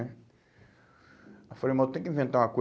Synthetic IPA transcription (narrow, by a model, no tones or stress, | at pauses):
ɛ | afalejmɐ̃t̪ẽj̃kĩvẽnt̪aɾũɐko